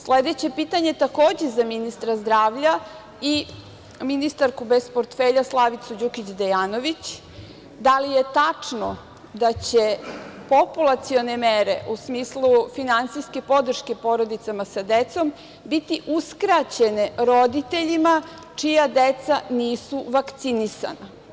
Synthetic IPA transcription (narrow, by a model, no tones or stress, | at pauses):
sled̪et͡ɕe̞pit̪aɲe̞t̪ako̞ːd͡ʑezaminist̪ɾazd̪ɾaːʋʎa | i | minist̪aɾkubespoɾt̪feʎaslˠaʋit̪sud͡ʑukit͡ɕd̪ejaːnoʋit͡ɕ | d̪alije̞t̪at͡ʂno̰ | d̪at͡ɕepopulˠat̪sio̞nemeɾḛʔusmiːslˠufinansijske̞po̞d̪r̩ʃke̞po̞ɾod̪it̪samasad̪et̪so̞m | bit̪iʔuskɾat͡ɕeneɾod̪it̪e̞ʎima | t͡ʂijad̪et̪saniːsuʋakt̪sinisa̰na